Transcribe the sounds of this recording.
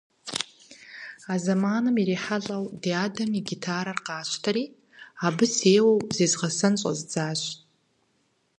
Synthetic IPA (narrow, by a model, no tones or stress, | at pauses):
azamaːnɨmiɾiħaɬʼawdiaːdamiɡʲitʰaːɾarqaːʃʷʰtʰaɾiː | abɨseːwowzizʁasɨnɕʷʼa̰zd͡zaːʒʷ